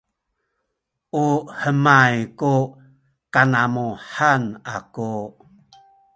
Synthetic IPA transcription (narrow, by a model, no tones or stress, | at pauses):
ʔuhəmajku | kanamuħana̰ku